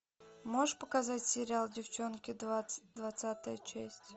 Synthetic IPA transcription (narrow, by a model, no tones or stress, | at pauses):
moʐʂpəkazatʲsʲɪɾʲɪalˠdʲɪft͡ɕonkʲɪd̪vɐt̪sat̪əjət͡ɕæsʲtʲ